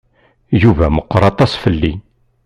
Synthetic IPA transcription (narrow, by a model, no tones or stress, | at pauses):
juvæməqːɾˤɑt̪ˤɑsfəlːi